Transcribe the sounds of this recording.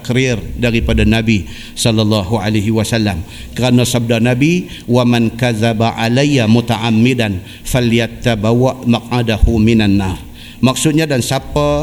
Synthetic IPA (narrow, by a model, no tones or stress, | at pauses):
kɾɪrdaɾipadanabi | sɔlːalːɑɦualajɦiwasalːam | kəɾanasab̚darnabi | wamankaðabaʕalajːamut̪aʔamːɪdan | faljat̪abawaʔmaq̚ʕadahumɪnanːaɾ | mak̚sʊt̪̚ɲadansapa